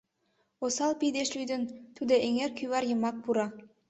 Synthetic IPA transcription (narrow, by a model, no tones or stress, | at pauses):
osɑlˠpid̪eʃlyjd̪ɪnt̪ʰud̪eʔeŋeɾkʲʰyjβɑɾjɤ̆mɑk̚buɾɑ